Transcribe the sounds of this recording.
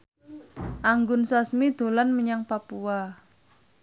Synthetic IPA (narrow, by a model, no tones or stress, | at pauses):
ʔaŋɡʊnsasmid̪̥o̤lanməɲaŋpapua